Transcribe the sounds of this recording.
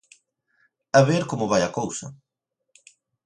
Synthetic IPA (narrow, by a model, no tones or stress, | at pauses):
ɐβeɾkomʊβajɐkowsɐ̰